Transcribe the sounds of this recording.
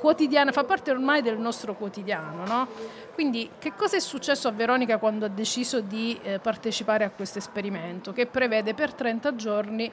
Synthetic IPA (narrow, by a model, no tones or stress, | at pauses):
kwot̪id̪jaːnafapːart̪eormajd̪elnɔst̪ɾokwot̪id̪jaːnonɔ | kwind̪ik̟ekːɔːzaɛsːut͡ʃːɛsːoavːeɾɔːnikakwand̪oad̪ːet͡ʃiːzod̪ipart̪et͡ʃipaːɾeakːwest̪oespeɾiment̪okepːɾevɛːd̪epert̪ɾɛnt̪ad͡ʒorni